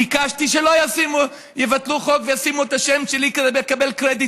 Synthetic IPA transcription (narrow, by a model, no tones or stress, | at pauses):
ikaʃt̪iʃelojasimu | jevat̪luχokvejasimuet̪aʃemʃelikezebekabelkʁed̪i